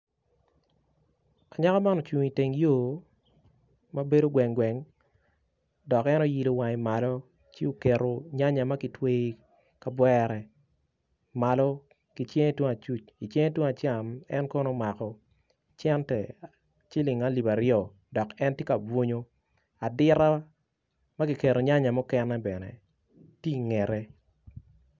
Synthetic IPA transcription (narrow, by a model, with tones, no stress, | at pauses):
a˨ɲa˦ka˦ma˦nɔ˨t͡ʃu˨ŋi˨te˨ŋjoː˦˨ | ma˦be˦do˦ɡwɛ˨ŋɡwɛ˨ŋ | dɔ˨kɛ˦no˦ji˨lo˨wa˨ŋi˨ma˨lɔ˦ | t͡ʃi˦o˨ke˨ɾo˨ɲa˦ɲa˨ma˦kɪ˨twe˦i˦ | ka˦bwɛɾɛ˨ | ma˨lɔ˦ | ki˨t͡ʃe˦ŋe˦two˦ŋa˨t͡ʃu˦t͡ʃi˨t͡ʃe˦ŋe˦two˦a˨t͡ʃa˨mɛ̰˦nkɔ˦nɔ˦ma˨kɔ˨ | t͡ʃɛ˦ntɛ̰˨ | t͡ʃɪ˦lɪ˨ŋa˦li˨ba˨ɾjɔ˨ | dɔ˨kɛ˦ntje˦ka˨bwo˦ɲo˦ | a˨dɪ˦ɾa˦ | ma˦ɡi˨ke˨ɾo˨ɲa˦ɲa˨mɔ˦kɛ˦nɛ˦bɛ˨nɛ̰˨ | ti˦i˨ŋɛ˨ɾe˦